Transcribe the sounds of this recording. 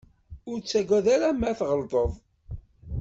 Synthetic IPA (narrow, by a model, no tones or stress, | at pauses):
ʊɾt͡sːæɡʷæðæɾamæθʁəld̪ˤəðˤ